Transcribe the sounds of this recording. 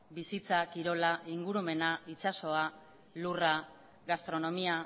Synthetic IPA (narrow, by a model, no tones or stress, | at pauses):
bisit͡sakiɾo̞laʔiŋɡuɾume̞nait͡ʃaso̞a | lura | ɣast̪ɾo̞no̞mia